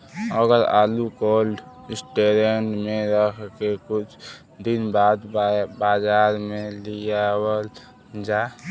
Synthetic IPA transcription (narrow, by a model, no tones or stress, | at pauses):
əɡəɾa̰ːlukoːlɖ | ɪsʈeɾeɳɖmẽɾəkʰkekʊt͡ʃʰ | d̪ɪnbaːd̪baːd͡ʒaːɾmẽlijawəl | d͡ʒa